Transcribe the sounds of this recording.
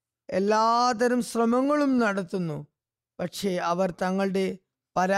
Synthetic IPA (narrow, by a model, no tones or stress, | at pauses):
elːaːt̪ɐɾumɕrɐmɐŋːɐɭumnɐɽɐt̪ːunːu | pɐʈʂe̞ɐʋɐrt̪ɐŋːɐɭɨɽe̞ | pɐɾa